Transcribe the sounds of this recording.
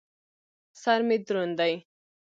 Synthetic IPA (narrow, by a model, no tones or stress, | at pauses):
sɐɾmid̪ɾund̪aj